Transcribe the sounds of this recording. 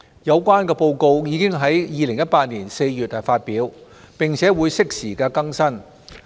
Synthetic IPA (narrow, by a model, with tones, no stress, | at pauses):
jɐ˨˧wkʷaː˥nkɛː˧po˧wko˧wjiː˨˧kɪ˥ŋɦɐ˨˥jjiː˨˧lɪ˨˩ŋjɐ˥t̚paː˧t̚niː˨˩nse˧jjyː˨˩t̚hɐ˨˩faː˧t̚piː˨˥w | pɪ˨˩ŋt͡sʰɛː˨˥wuː˨˧jsɪ˥k̚siː˨˩kaː˧kɐ˥ŋsɐ˥n